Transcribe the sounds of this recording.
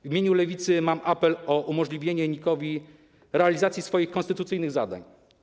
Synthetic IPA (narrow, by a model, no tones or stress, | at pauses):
vʲimʲeɲulɛvʲit̪sɘmamʔapɛlɔʔumɔʐlʲivʲjeɲɛɲikɔvʲi | ɾɛalʲizat̪sʲjisfɔjixkɔnst̪ɘt̪ut̪sɘjnɘɣzad̪a̰ɲ